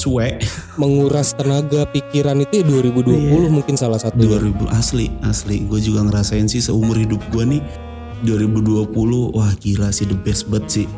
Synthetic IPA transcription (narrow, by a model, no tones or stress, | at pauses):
suaʔməŋuɾast̪ənaɡapikiɾanit̪ujaduaɾibuduapulʊhmuŋkɪnsalasat̪duduaɾibuʔasliasliɡuad͡ʒuɡaŋəɾasaɪnsɪsəumʊrhidʊp̚ɡuanɪh | duaɾibuduapulʊhwahɡilasɪhdəbɛsəbət̪̚sɪh